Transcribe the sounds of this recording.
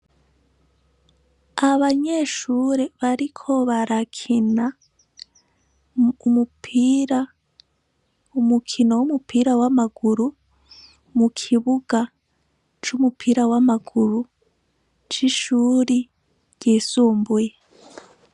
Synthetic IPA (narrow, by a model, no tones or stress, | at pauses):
aβaɲeʃuːɾeβaɾikʰo̞βaɾakʰina | umupʰiɾa | umukʰino̞wumupʰiːɾawamaɡ̥uɾu | mukʰiβuɡ̥a | t͡ʃumupʰiːɾawamaɡuɾu | t͡ʃiʃuːɾi | ɟ̥iːsuːmbuje